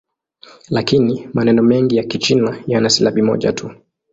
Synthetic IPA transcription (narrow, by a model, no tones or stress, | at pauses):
lakinimanɛnɔmɛŋɡijakit͡ʃinajanasilaɓimɔ̰ʄa̰tʰu